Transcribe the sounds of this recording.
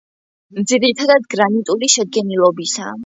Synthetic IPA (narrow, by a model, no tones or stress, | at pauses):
md̪ziɾit̪ʰad̪ad̪ɡɾanit̪ʼuliʃɛd̪̚ɡɛnilˠɔbisa